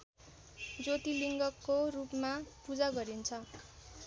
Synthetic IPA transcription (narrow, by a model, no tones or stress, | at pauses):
d͡zot̪iliŋɡʌkːorupmapud͡zaɡʌɾint͡sʰʌ